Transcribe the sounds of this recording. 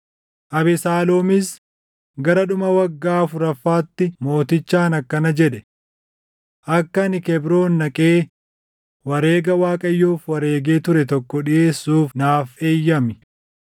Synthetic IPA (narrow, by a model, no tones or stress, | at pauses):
ʔɐbɛsaːloːmɪs | ɡɐɾɐɗʊmɐwɐɡːaːfʊɾɐfːaːt̪ːɪmo̞ːt̪ɪt͡ʃːaːnɐkːɐnɐd͡ʒɛᶑɛ | ʔɐkːɐnɪkɛbɾo̞ːnːɐkʼe̞ː | wɐɾeːɡɐwaːkʼɐjːoːfwɐɾe̞ːɡe̞ːt̪ʊɾɛt̪ɔkːɔᶑɪje̞ːsːuːfnaːfe̞ːjːɐmɪ